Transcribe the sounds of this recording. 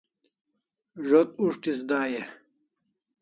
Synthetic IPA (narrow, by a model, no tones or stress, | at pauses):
ʐot̪̚uʂt̪isd̪aːje